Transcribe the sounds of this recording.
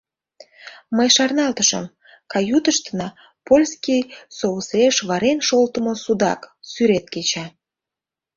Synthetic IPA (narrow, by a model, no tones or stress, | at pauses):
məjʃɑrnɑlt̪əʃə̰m | kɑjut̪əʃt̪ənɑ | polʲskijsouseʃβɑɾenʃolt̪əmosud̪ɑ̰ksyɾet̪̚ket͡ɕɑ